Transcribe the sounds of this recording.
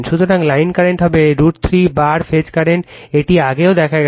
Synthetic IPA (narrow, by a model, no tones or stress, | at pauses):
nʃud̪ʱoɾaŋlajnkaɾeɳʈɦɔbeɾuʈt̪ʰɾibaɾfed͡ʑkaɾenʈeʈiaɡeod̪ɛkʰaɡ